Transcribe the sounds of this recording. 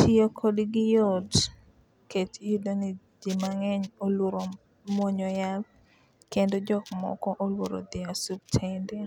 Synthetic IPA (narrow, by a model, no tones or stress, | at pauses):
tʰɪokʰodiɡɪjɔd | ketidani | d͡ʒimaŋɛɲoloɾo | mɔɲɔjab̚ | kendod͡ʒɔkmɔ̰kɔʔolwoɾo̰d̪ɪasub̚tʰende